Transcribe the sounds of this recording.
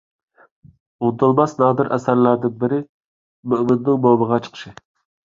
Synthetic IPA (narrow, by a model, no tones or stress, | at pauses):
ʊnt̪ʰɨlˠmɑsnɑːd̪ɨɾʔæ̰sæɾlæɾd̪ɪnbɪɾɪ | myʔmɪnd̪ɪŋmobəʁɑt͡ʃʰə̥qʰə̥ʃɪ